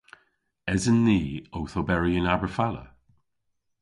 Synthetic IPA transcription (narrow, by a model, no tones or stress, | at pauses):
ɛzənːiːowθobɛɹiənabəfalə̰